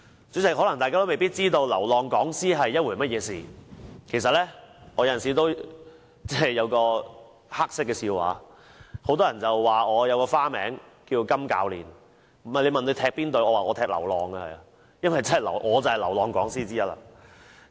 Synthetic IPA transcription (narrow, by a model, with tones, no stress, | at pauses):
t͡sy˨˥t͡sɐ˨˥jhɔː˨˥lɐ˨˩ŋt̪aː˨kaː˥t̪o˥me˨jpiː˥t̚t͡siː˥t̪o˧wlɐ˨˩wlɔː˨ŋkɔː˨˥ŋsiː˥ɦɐ˨jːɐ˥t̚wuː˨˩mɐ˥t̚jɛː˨˧siː˨kʰe˨˩s̬ɐ˨t̚lɛː˥ʔɔː˨˧jɐ˧jɐ˨ns̬iː˨˩t̪o˥w | t͡sɛː˥jɐ˨˧wkɔː˧ | haː˥k̚sɪ˥kːɛː˧siː˧wa̰ː˨˦ | ho˨˧˥wt̪ɔː˥jɐ˨˩nt͡sɐ˨wːaː˨˩ŋɔː˨˧jɐ˨˧wkɔː˧faː˥mɛ̰ː˨˥ŋkiː˧wkɐ˥mka̰ː˧wlḭː˨˩n˨˩ | mɐ˨˩le˨˧jmɐ˨nle˨˧jt̪ʰɛː˧k̚piː˥nt̪o˨˧ɥɔː˨˧waː˨ʔɔː˨˧t̪ʰɛː˧k̚lɐ̰˨˩wlɔː˨˩ŋɐ˧hɐ˨ja˧ | jɐ˥nwɐ˨jt͡sɐ˥nhɐ˨˩jlɐ˨˩wʔɔː˨˧t͡sɐ˨˩hɐ˨jlɐ˨˩wlɔː˨˧ŋkɔ̰ː˨˥ŋsiː˥t͡siː˥jɐ˥la̰ː˧